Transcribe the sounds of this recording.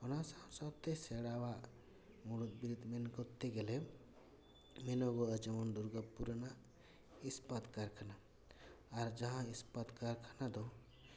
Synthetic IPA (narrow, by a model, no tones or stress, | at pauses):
ɔnasaw̃sɔbt̪eseɽawa | muɽut̪̚biɾud̪ʱmenkɔt̪ːeɡele | menoɡoəd͡ʒəmɔnd̪uɾɡəpːuɾəna | ispət̪kaɾkʰana | aɾd͡ʒɐɦãispət̪kaɾkʰanad̪ɔ